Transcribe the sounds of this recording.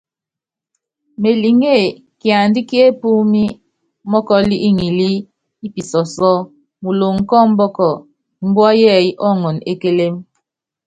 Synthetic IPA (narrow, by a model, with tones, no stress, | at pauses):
me˨li˨ŋe˦˨ | kja˨n˦di˦ki˦e˦pu˦mi˦ | mɔ˦kɔ˦li˦ʔi˦ŋi˨li˦ | i˦pi˨sɔ˨sɔ˦ | mu˨lo˨ŋ̩˨kɔ˦m̩˦bɔ˦kɔ˨ | m̩˦bwa˦jɛ˦˨i˦ʔɔ˦ŋɔ˨ne˦ke˦le˦m